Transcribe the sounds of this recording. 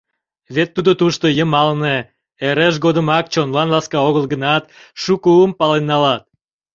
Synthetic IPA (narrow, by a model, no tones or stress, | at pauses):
βet̪ːud̪ot̪uʃt̪ojəmɑlne | eɾeʃ̬ɡod̪əmɑk̚t͡ɕonlɑnlɑskɑoɣəlɡənɑt̪ʃukəəmpɑlenːɑlɑt̪̚